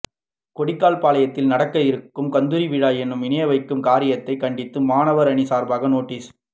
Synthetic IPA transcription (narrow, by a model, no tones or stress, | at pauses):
kɔɽɪkːaːlpaːlɐjɐt̪ːɪlnɐɽɐkːɐjɪɾɯkːɯmkɐnd̪ɯɾiʋɪɻaːjɛnːɯmɪnɐjɐʋɐɪkːɯmkaːɾɪjɐt̪ːɐɪkɐɳɖɪt̪ːɯmaːnɐʋɐɾɐɳisaːɾbaːɣɐnoːʈːiːs